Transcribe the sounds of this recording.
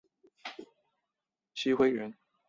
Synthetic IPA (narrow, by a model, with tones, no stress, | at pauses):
t͡ɕʰi˥xwe˥ɪɥə˧˥n